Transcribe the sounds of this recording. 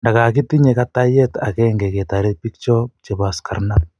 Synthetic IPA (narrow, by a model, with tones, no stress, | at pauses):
nda˨ka˨k̬i˦ti˦ɲe˨kata˦jɛta̰˨kɛ˦ŋɡe˨ke˨ta˨ɾe˦t̚pi˦k̚t͡ʃɔ˦t͡ʃe˨ba˨skʰa˨rnat̚